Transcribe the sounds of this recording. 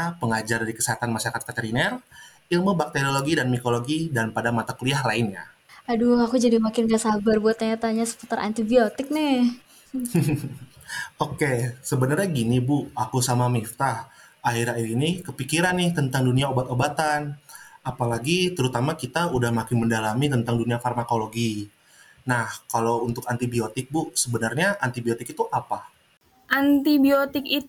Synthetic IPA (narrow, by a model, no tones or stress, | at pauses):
apəŋad͡ʒardikəseɦat̪anmaʃaakat̪̚kat̪eɾinɛr | ilmobak̚t̪eɾioloɡidanmikoloɡidanpadamat̪akuliaɦlaɪnja̰ | aduakud͡ʒadimakɪnɡaʔsabərbuat̪aɲat̪aɲasə̥put̪aɾʔa̰nt̪ibiot̪ɪk̚nɪ | okesəbənərɲaɡinibʊakusamamift̪ahaɦiɾaiinɪkəpikiɾanɪht̪ənt̪aŋduniaobat̪obat̪anapalaɡit̪əɾut̪amakit̪audahmakɪnməndalamit̪ənt̪aŋduniafarmakoloɡi | nahkalowunt̪ʊkant̪ibiot̪ɪk̚bʊsəbənərɲaʔant̪ibiot̪ɪkit̪uʔapa | ʔant̪ibiot̪ɪki